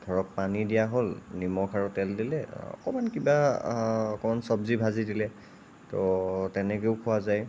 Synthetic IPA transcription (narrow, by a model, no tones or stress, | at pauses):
ɡʱɔɹɔk̚panidijaɦolnimɔkʰaɹutɛldilɛɔ̰kɔmankiba | ɔkɔmansɔbzibʱazidilɛ | tɔtɛnɛkeʊkʰʊwazaj